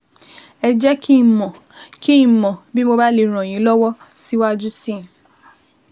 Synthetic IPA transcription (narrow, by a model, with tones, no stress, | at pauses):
ɛ˧d͡ʒɛ˦kʰi˦˨mɔ̃˨ | ki˦ĩ˨mɔ̃˨bi˦mo˧ba˦le˨ɾ̃ɔ̃˨j̃ĩ˨˦lɔ˦wɔ˦ | si˦wa˦d͡ʒu˦sĩ˦˨